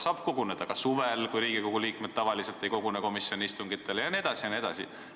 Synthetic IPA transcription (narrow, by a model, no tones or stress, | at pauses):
sɑːb̥ko̞ɡuned̪̥ɑkɑsuvelkujɾiːɡ̥iko̞ɡ̥uliːkmed̪̚t̪ɑvɑlise̞lt̪ːˑe̞jko̞ɡ̥uneko̞misjo̞nist̪uŋɡ̥it̪ːˑe̞lejɑnie̞d̪ɑsijɑnie̞d̪̥ɑ̰sḭ